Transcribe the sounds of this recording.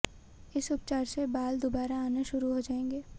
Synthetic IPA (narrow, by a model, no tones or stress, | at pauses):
ɪsʊp̚t͡ʃaːɾsebaːld̪obaːɾaaːneʃʊɾuɦod͡ʒaːẽːŋɡeː